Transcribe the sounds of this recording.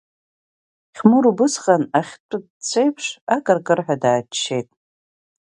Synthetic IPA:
χʲmɨɾubɨsχʼanaχʲtʷʼʊdt͡sʷʰejpʰʂakʼɨrkʼɨrħʷᶣadaːt͡ʃːejtʼ

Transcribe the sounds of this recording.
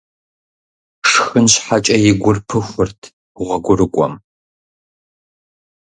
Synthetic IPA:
ʂxɨnɕħat͡ʃʼɐjɪɡʷʊrpʰɨxʷʊrtʰ | ʁʷɐɡʷʊɾɨkʷʼɔ̰m

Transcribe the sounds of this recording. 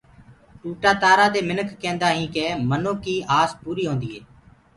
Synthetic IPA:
ʈuːʈaːt̪aːɾaːd̪eːmɪnəkːɛ̃ːnd̪aːɦĩːkeːmənõːkiːaːspuːɾiːɦõːnd̪iːɦeː

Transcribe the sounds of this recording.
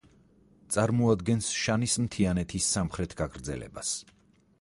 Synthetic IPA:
t̪sʼaɾmɔad̪ɡɛnsʃanismt̪ʰianɛt̪ʰisːamχɾɛt̪ʰɡaɡɾd̪zɛ̰lɛ̰bas

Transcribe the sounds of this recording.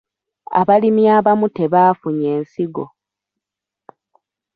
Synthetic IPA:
a̰βalimiaβamute̞βaːfuɲe̞ːnsiɡo̞̰

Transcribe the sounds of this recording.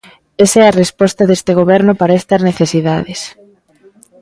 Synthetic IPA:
esɛɐrespɔst̪ɐðest̪eɣ̞oβɛɾnʊpaɾaɛst̪ɐzneθesiðaðes

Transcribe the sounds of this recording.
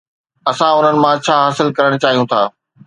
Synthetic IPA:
ɐsãʊn̤ənɪ̆mãt͡ɕʰaːɦaːsɪlkɐɾəɽ̃ʊt͡ɕaːɦijũt̪ʰaː

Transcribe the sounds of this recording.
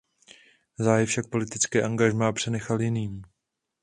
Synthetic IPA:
zaːjɛfʃak̚po̞lɪt̪ɪt͡skɛːʔaŋɡaʒmaapr̝̥ɛnɛxaljɪniːm

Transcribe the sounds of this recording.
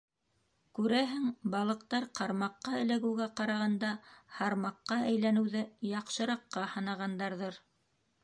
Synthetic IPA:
kʉɾæɦɘŋbɑlˠɤ̆q̚t̪ɑɾqɑɾmɑqːɑɘ̆læɡɘwɡæqɑɾɑʁɑnd̪ɑhɑɾmɑqːɑæjlænɘ̆wðɘjɑqʃɤ̆ɾɑqːɑhɤ̆nɑʁɑnd̪ɑɾðɤɾ

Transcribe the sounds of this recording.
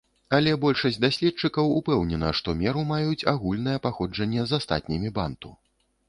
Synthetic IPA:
ɐlʲɛbɔlʲʂɐsʲd̪asʲlʲɛt͡ʂɨkɐwupɛwnʲɛnɐʂt̪ɔmʲɛɾumajut͡sʲaɣulʲnɐjɛpaxɔd͡ʐɐnʲːɛzast̪a̰t̪̚ʲnʲimʲiba̰nt̪u

